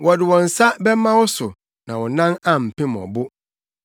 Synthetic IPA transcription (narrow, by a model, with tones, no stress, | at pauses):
wɔ˨dɪ˨wɔ̃˨n̩˨sa˦bɛ˦mã˦wɔ˦sʊ˨ | nã˨wɔ˨nã˦na˦m̩˨pʰɪ̃˦m˨ɔ̰̃˨bʊ˦